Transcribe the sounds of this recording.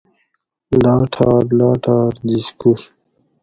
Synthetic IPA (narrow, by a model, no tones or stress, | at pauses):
laːʈʰaːɾlaːʈʰaːɾd͡ʑiskuɾ